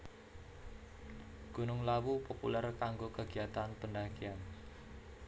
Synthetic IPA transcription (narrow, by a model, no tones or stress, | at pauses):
ɡ̥onʊŋlawupopṵlɛrkaŋɡokəɡ̥iat̪anpəndaɡian